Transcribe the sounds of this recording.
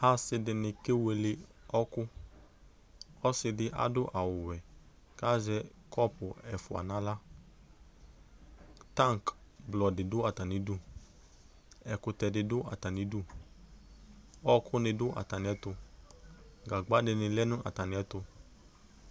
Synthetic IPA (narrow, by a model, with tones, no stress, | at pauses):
a˦sɪ˧dɪ˧nɪ˧kɪ˦we˧lɪ˧ɔ˦kʊ˦ | ɔ˦sɪ˧dɪ˧ʔa̰˦dʊ˦ʔa˨wʊ˨wɛ˨ | ka˦zɛ˧ | kʰɔ˦pʊ˨ɛ˨fʊ˨a̰˨na˦la˦ | ta˦˨ŋ˨kblɔ˨dɪ˨dʊ˦a˨ta˨nɪ˨du˦ | ɛ˨kʊ˧tɛ˧dɪ˧dʊ˦ʔa̰˨ta˨nɪ˨˦du˦ | ɔ˦kʰʊ˦nɪ˧dʊ˦ʔa̰˨ta˨nɪ˨ɛ˨˦tʊ˧ | ɡa˨ɡ͡ba˦dɪ˧nɪ˧lɛ˦nʊ̃˦ʔa̰˨ta˨nɪ˨ɛ˦tʊ˧